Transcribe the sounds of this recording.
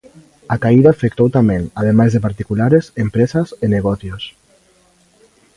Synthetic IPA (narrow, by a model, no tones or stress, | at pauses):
akaiðafek̚t̪owt̪amenaðemazðepaɾt̪ikulaɾezempɾezazeneɣɔθjos